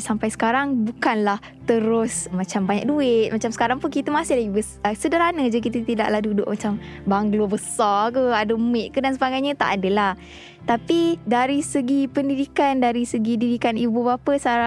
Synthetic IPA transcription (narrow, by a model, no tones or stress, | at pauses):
sampajsə̥kaɾaŋbukanlah | t̪əɾʊsmat͡ʃambaɲa̰k̚duɪt̪̚mat͡ʃamsə̥kaɾaŋpʊnkit̪əmasɪhdaibəssədaɾanəd͡ʒak̬it̪ət̪ida̰ʔlahdudʊʔ̚mat͡ʃambaŋɡlobəsɔkəadəmɪʔ̚kədansəbaɡajɲə̃t̪a̰ʔadəlah | t̪apidaɾisəɡipəndidikandaɾisəɡididikanibubapəsaa